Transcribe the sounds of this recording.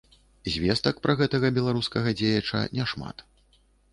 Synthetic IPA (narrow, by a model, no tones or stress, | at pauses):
zʲvʲest̪ɐkpɾɐɣɛt̪ɐɣɐbʲɛlˠaɾuskɐɣɐd͡zʲejɐt͡ʂɐ̰nʲɛʂma̰t̪